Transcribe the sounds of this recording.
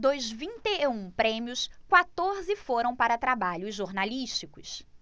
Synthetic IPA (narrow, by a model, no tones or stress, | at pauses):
d̪ojzvĩnt̪eũpɾẽmiʊskwat̪oɾzɪfoɾɐ̃w̃paɾɐt̪ɾabaʎʊzʒoɾnaliʃt͡ʃikʊs